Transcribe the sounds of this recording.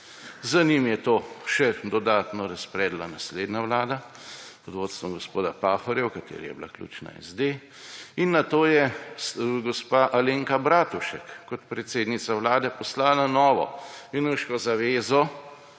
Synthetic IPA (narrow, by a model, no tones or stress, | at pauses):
zanimjɛt̪oːʃɛd̪ɔd̪aːt̪nɔɾɐspɾɛːd̪lanasleːd̪naʋlaːd̪a | ɔd̪ʋoːt̪st̪ʋɔɡɔspoːd̪apaxɔɾjɛwkat̪ḛːɾḭjɛ̰bla̰klʲṵːt͡ʃna̰ɛ̰zd̪e | inːat̪oːjɛsɡɔspaʔaleːŋkabɾaːt̪uʃɛkːɔt̪pɾɛt̪seːd̪nit̪saʋlaːd̪ɛpɔslananɔːʋɔ̰inuʃkɔzaʋeːzɔ